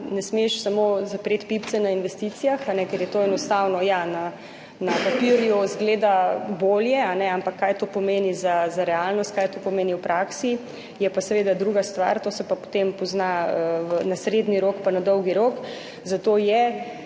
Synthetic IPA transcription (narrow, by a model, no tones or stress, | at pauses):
nɛsmeʃsamozapɾet̪pipt̪sɛnainʋɛst̪it̪sijaxanɛkɛɾjɛt̪oɛnɔst̪awnɔjana | napapiɾjuzɡleːd̪aboːljɛanɛampakʰːaːjt̪opomeːnizazaɾɛalnɔst̪kajt̪opomeːniwpɾʔaksi | jɛpasɛʋed̪ad̪ɾuːɡast̪ʋa̰ɾt̪oːsɛpapo̥t̪empɔznaəʋənasɾed̪niɾokpanad̪ɔwɡiɾok | zat̪oːjɛ